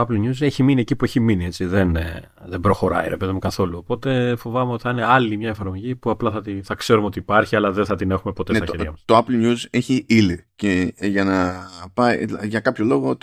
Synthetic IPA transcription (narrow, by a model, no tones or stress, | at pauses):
oɐplɲuzeçiminie̞cipue̞çiminie̞t͡siðe̞n | ðe̞bɾo̞xo̞ɾɐ̰iɾe̞pe̞ðimukɐθo̞luopo̞t̪e̞fovɐme̞ot̪i̥θɐine̞ɐlimɲɐefɐɾmo̞ʝipuɐplɐθɐt̪iθɐkse̞ɾumeo̞t̪iːpɐɾçiɐlɐðenθɐt̪ine̞xume̞po̞t̪eet̪ɐeɾʝɐmɐst̪oɐplɲuzeçiiliceʝɐnɐpɐiʝɐkɐpço̞lo̞ɣo